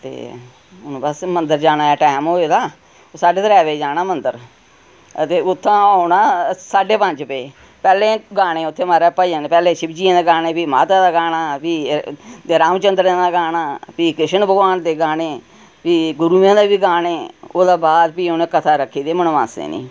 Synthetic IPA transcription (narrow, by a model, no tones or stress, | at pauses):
t̪ḛː | ʊñːbəsmənd̪əɾd͡ʒaːnaːɛːʈɛːmɦoːed̪aː | osaːɖeːd̪əɾɛːʋed͡ʒaːnaːmənd̪əɾ | ət̪eːʊt̪ʰːãːʊnaːsaːɖeːpə̃nd͡ʒpeː | pɛːlẽːɡaːɽ̃ẽːʊt̪ʰːeːmaɾɛːpaijãːnepɛːlẽːʃɪbd͡ʒiːãːd̪eːɡaːnẽːpiːmaːt̪aːd̪aːɡaːnaːpiːd̪eːɾaːmt͡ʃənd̪ɾãːd̪aːɡaːnaːpiːkɾɪʃənbəɡʋaːnd̪eːɡaːneː | piːɡʊɾuːjãːd̪eːbiːɡaːneːoːd̪aːbaːd̪piːʊnẽːkət̪ʰaːɾəkʰːiːd̪eːmənːã̰ːsd̪ḛːnḭ̃ː